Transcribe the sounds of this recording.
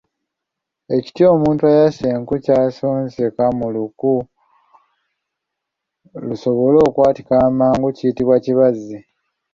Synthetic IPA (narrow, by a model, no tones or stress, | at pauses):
e̞ci̥tio̞ːmuːntuajaseŋkucaːsoːnzekamuluku | luso̞βo̞lo̞ːkwaːti̥kaːmaːŋɡuciːtiβwaciβazːi